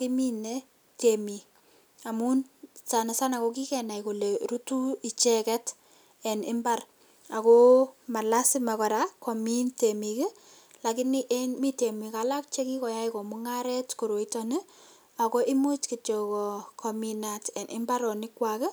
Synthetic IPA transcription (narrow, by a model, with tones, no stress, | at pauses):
ki˦mine | temi˨ | amu˦nsana˨sana˨ko˦ki˦kɛna˨jku˨le˨ɾutu˦i˨t͡ʃɛkɛt | ɛnɪ̰˦mbar | a˨koma˨la˦sɪ˦ma˨kɔ˨ɾakominte˨mikɪ˦ | lakɪniʔemi˦te˨mikala˦k̚t͡ʃe˦ki˦kɔ˨ja˦jkɔ˨muŋaɾɛtko˨ɾo˨itɔne˦ | ako˦ʔɪ˦mu˦t͡ʃkit͡ʃɔkɔ˨kʰɔmina˨tɛ˨nʔɪ̰˦mbaɾɔ˨nɪ˦kwakɛ˦